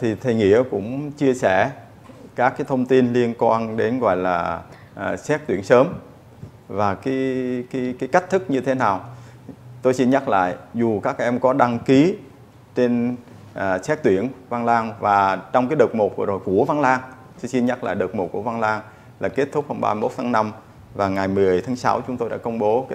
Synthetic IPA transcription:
t̪ʰi˨˩t̪ʰə˨˩jŋḭ˧˨əkʊ̰˧˥ŋ͡mt͡ɕi˧əsɛ˧˩ | kaː˦˥kːaː˨˦jt̪ʰə˧wŋ͡mt̪i˧nli˧ənkwaː˧nɗe˨˦nɣɔ̰˧˨jlaː˨˩ | ʔsɛ˦˥t̚t̪wi˧˩ənsəː˨˦m | vaː˨˩ka˨˦ki˨˦kaː˨˦jka˦˥k̟̚t̪ʰɨ˦˥k̚ɲɨ˧t̪ʰe˨˦naː˨˩w | t̪o˧jsi˧nɲa˦˥k̚la̰ː˧˨jzu˨˩kaː˦˥k̚ʔɛ˧mkɔ˨˦ɗa˧ŋki˨˦ | t͡ɕe˧n | ʔːsɛ˦˥t̚t̪wi˧˩ənva˧nlaː˧ŋvaː˨˩t͡ɕɔ˧wŋ͡mkaː˨˦jɗə˨˩k͡p̚mo˨˩t̚vzo˨˩jku˧˩əva˧nlaː˧ŋ | t̪o˧jsi˧nɲa˦˥k̚la̰ː˧˨ɗə˨˩wk͡p̚mo˨˩t̚ku˧˩əva˧nlaː˧ŋ | laː˨˩ke˦˥t̪ʰʊ˦˥k͡p̚hə˧wŋ͡mɓa̰ː˧mi˧mo˦˥t̚t̪ʰaː˨˦ŋna˧m | vaː˨˩ŋa˨˩jmɨ˨˩əjt̪ʰaː˨˦ŋsa̰˨˦wt͡ɕʊ˨˦ŋ͡mt̪o˧jɗa̰ː˧˥kə˧wŋ͡mɓo˨˦

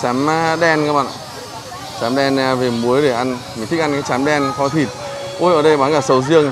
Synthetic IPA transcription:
t͡ɕaː˨˦m˧ɗɛ˧nkaː˦k̚ɓa̰ː˧˨ | t͡ɕaː˨˦mɗɛ˧n˧ve˨˩mu˨˦əjɗe˧˩ʔa˧nmi˨˩ŋt̪i˦˥k̚a˧nkaː˨˦jt͡ɕaː˨˦mɗɛ˧nfɔ˨˦t̪ʰi˨˩t̚ʔo˧jʔəː˨˩ɗə˧jɓaː˨˦kaː˧˩sə˨˦wzɨ˧əŋ

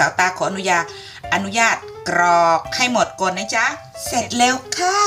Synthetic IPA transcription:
aː˨˩˦wt̪aː˧kʰɔː˦ʔnu˦˥jaː˧˩ | ʔa˧nu˦˥jaː˥˩t̪̚kɾɔː˧˩k̚ha˥˩jmo˨˩t̪̚ko˨˧nːa˦˥˩t͡ɕa˦˥ | se˨˩t̪̚lɛː˧wkʰaː˥˩

